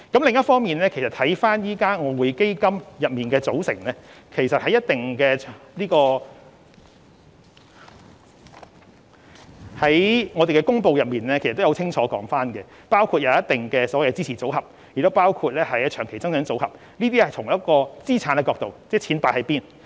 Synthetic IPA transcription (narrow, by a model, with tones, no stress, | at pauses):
kɐ˨˥mlɪ˨ŋjɐ˥t̚fɔː˥ŋmiː˨nlɛː˥kʰjsɐ˨t̪ʰɐ˨˥jfaː˥njiː˥kaː˥ŋɔː˨˧wu˨˧jke˥jkɐ˥mjɐ˨p̚miː˨nkɛː˧t͡so˨˥wsɪ˨˩ŋlɛ˥kʰe˨˩jsɐ˨t̚hɐ˨˧jɐ˥t̪ɪ˨ŋkɛː˧liː˥kɔː˧ | hɐ˨˦jŋɔː˨˧e˨jkɛ˧kʊ˥ŋpo˧wjɐ˨p̚miː˨nlɛː˥kʰst̪ːjwt͡sʰɪ˥ŋt͡ʃʰɔː˨˥kɔ̰ː˨˥ŋfaː˥nkɛ˧ | paː˥wkʰuː˧t̚jɐ˨˧wjɐ˥t̪ɪ˨˩ŋkɛː˧sɔː˨˥wjt͡siː˥iː˨˩t͡so˨˥whɐ˨p̚ | j̚t̪o˥wpaː˥wkʰu˧t̚lɛː˥hɐ˨jt͡ʃʰœː˨˩ŋkʰe˨˩jt͡sɐ˥ŋsœ˨˥ŋt͡so˨˥whɐ˨p̚ | niː˥t̪iː˥hɐ˨˩jt͡sʰʊ˨˩ŋjɐ˥t̚kɔː˧t͡siː˥t͡sʰaː˨˥nkɛ˧kɔː˧k̚t̪o˨wt͡sɛː˥˩t͡sʰiː˨˥npaː˧˥hɐ˨˧jpiː˥n